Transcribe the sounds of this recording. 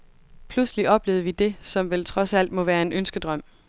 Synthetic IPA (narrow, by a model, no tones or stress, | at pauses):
pʰlusliʔɒ̽b̥le̝ːð̩ˠʋid̥e̝sɒ̽mʋelt͡sʰʁɒ̽sæl̰d̥mɒ̽ʋæːɐe̝nʔønsɡ̥əd̥ʁɶm̰